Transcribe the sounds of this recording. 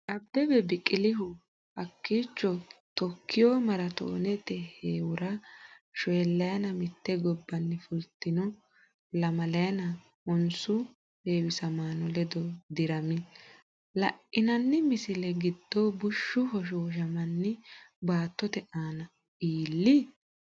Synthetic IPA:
ʔɐb̚d̪̥ɛbɛbɪkʼːɪlɪɦʊ | hɐkːiːt͡ʃːɔt̪ɔkʰːɪjɔːmɐɾɐt̪o̰ːnɛt̪ɛheːwʊɾɐʃɛːlːɐjɐnɐmɪt̪ːɛɡɔbːɐnːɪfʊlt̪ːɪnɔ | lɐmɐlɐjɐnɐ | ɔnsʊ | deːwɪsɐmaːnɔlɛd̪ɔd̪ɪɾɐmɪ | lɐʔːɪnɐnːɪmɪsɪlɛɡɪd̪ːɔbʊʃːʊɦɔʃ̬oːʃɐmɐnːɪbaːt̪ːɔt̪ɛʔaːnɐ | iːlːɪ

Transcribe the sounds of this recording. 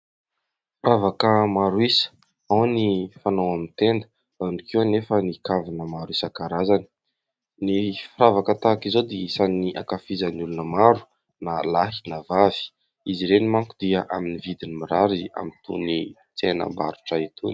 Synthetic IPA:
fɾavakəmaɾwisə̥ | awnifanowamint̪end̪ə̥ | v̥anikiwanefənikavinəmaɾwisakaɾazani̥ | nifiɾavakət̪akizod̪iisaniʔa̰kafizanulunəmaɾu̥ | nalaɦi̥navavi̥ | iziɾenimaŋkud̪iaʔaminivid̪inimiɾaɾia̰mint̪ṵni | t͡senə̰mba̰ɾuʈ͡ʂait̪ʰun

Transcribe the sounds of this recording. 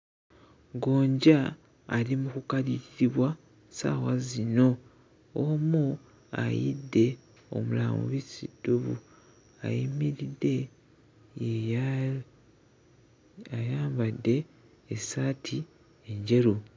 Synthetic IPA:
ɡoːɲɟaː | limukukaliɾiɾiβwa | sa̰ːwazino̞ | omu | a̰jḭdːe̞ | o̞̰mulaːmṵβisidːuβṵ | a̰jimiɾide̞ | ajaːmbadːe̞ː | saːtʰi | e̞ɲɟe̞ɾu

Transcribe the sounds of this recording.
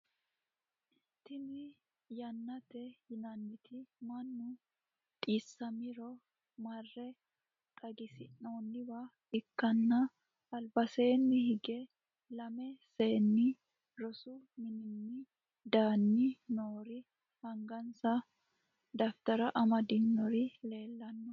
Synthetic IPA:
t̪ɪnɪ | jɐnːɐt̪ɛhɪnɐnːɪt̪ɪmɐnːʊ | t̪ʼiːsːɐmɪɾɔ | mɐrːɛ | kʼɐɡɪsɪnoːnːɪba | ɪkːɐnːɐ | ɐlbɐse̞ːnːɪhɪɡɛ | lɐmɛse̞ːnːɪ | ɾɔsʊmɪnɪnːɪ | d̪aːnːɪnoːɾɪ | hɐŋɡɐnsɐ | d̪ɐft̪ɐɾɐʔɐmɐd̪ɪnːɔɾɪle̞ːlːɐnːɔ

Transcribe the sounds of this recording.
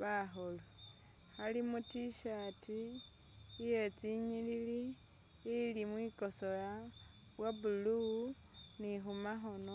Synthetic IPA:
βaxolo | halimutiʃatʰiː | jet͡siɲililiː | limwiko̞so̞ja | βwabulu | nixumaxo̞no

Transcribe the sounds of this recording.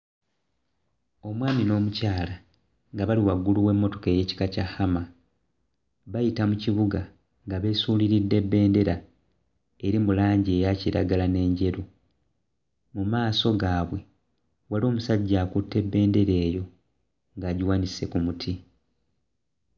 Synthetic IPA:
o̞mwaːmino̞ːmucaːla | ŋɡaβaliwaɡuluwe̞mːo̞to̞ke̞ːje̞ci̥kacahama | βajitamuciβuɡa | ŋɡaβe̞suːliɾidːe̞bːe̞ːnde̞ɾa | eɾimulaːɲɟie̞ːjaciɾaɡalane̞ːɲɟe̞ɾo | mumaːso̞ɡaːβwe̞ | waloːmusaɟːaːkutːe̞bːe̞ːnde̞ɾe̞ːjo̞ | ŋɡaːɟiwaːnise̞kumutʰi

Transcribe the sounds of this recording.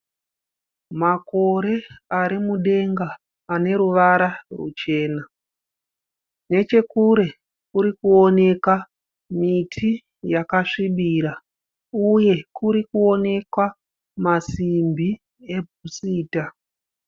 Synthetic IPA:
mako̞ɾe̞aɾimuɗe̞ŋɡaː | ne̞ɾuʋaɾarṵt͡ʃe̞ːna | ne̞t͡ʃe̞kuɾe̞ | kuɾikuo̞ne̞ka | mitʰi | jakaʂiɓiɾa | uje̞kuɾikuo̞ne̞kwa | masimbi | e̞bʱusiːta

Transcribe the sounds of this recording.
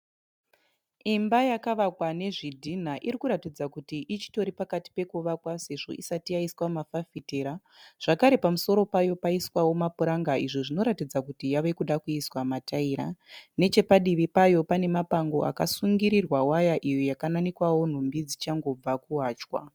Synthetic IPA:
imbajakaʋakwane̞ʐidʱin̤aʔiɾikuɾatid͡zakutiʔit͡ʃi̥to̞ɾipakati̥pe̞kuʋakwase̞ʐo̞̰ʔisatijaiswamafafiteːɾa | ʐ̥akaɾe̞pamuso̞ɾo̞pajo̞paiswawo̞mapuɾaŋɡaʔiʐiʐino̞ɾatid͡zakutijaʋe̞kuɗakuiswamataiɾane̞t͡ʃe̞paɗiʋipajo̞pane̞mapaŋɡo̞ʔa̰kasuŋɡiɾirwawajaʔijojakananikwawon̤umbid͡zit͡ʃaŋɡo̞b͡vakuɦaːt͡ʃwa̰

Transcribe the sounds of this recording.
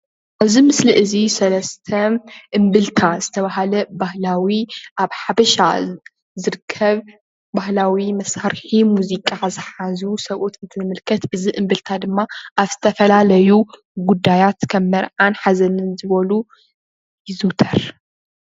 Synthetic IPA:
ʔaβzimɨsliʔɨzisɐlɐst̪ʰɐʔɨmbɨlt̪ʰazɨt̪ʰɐβaɦalɐbahlawiʔaβħabɐʃa̰ | zɨɾɨkʰːɐβ | bahlawimɐsaɾħimuzikʼazɨħazusɐβʔot̪ɨnt̪ʰɨnɨmɨlkʰɐt̪ʔɨziʔɨmbɨlt̪ʰad̪ɨmːaʔaβzɨt̪ʰɐfɐlalɐju | ɡud̪ːajat̪kʰɐmːɐɾʕanħazɐnɨnzɨβɐlu | jɪzut̪ʰɐɾ

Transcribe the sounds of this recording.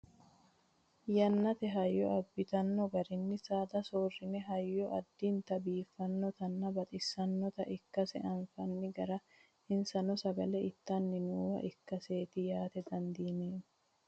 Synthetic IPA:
jɐnːɐt̪ɛɦɐjːɔɐbːɪt̪ɐnːɔɡɐɾɪnːɪsaːd̪ɐsoːrːɪnɛɦɐjːɔʔɐd̪ːiːnt̪ɐbiːfːɐnːɔt̪ɐnːɐbɐt̪ʼɪsːɐnːɔt̪ɐʔɪkːɐsɛ̰ʔɐnfɐnːɪɡɐɾɐ | ɪnsɐnɔsɐɡɐlɛɪt̪ːɐnːɪnuːwɐ̰ʔɪkːɐse̞ːt̪ɪjaːt̪ɛd̪ɐnd̪iːneːn

